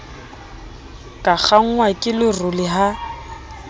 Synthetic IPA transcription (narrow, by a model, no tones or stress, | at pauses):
kʼak͡xʰaŋ̩wakʼɪlɪrʊlɪɦa